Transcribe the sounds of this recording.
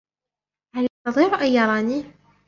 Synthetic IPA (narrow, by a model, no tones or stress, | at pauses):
haljɑst̪ɑðˤiːɾʊʔajjɑɾˤɑːniː